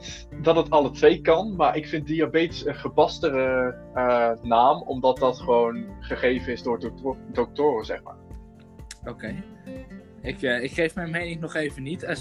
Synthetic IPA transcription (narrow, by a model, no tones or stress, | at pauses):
dɑtətɑlətʋejkɑnmaːɹʔɪkfɪnt̚diabejtə̥sənχəbɑstərə | ənaːmɔ̰mdɑt̚dɑtχəʋownχəχejvənɪzdʊːɹddɔk̚tʊːrəzɛχma̰ːɹ | okej | ɪkːɪkχejfmɛjnmejnɪŋnɔχejvənitə